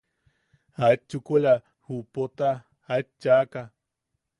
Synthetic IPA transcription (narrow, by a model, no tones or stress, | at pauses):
aet͡ʃːukoʎa | hupot̪aː | et͡ʃaka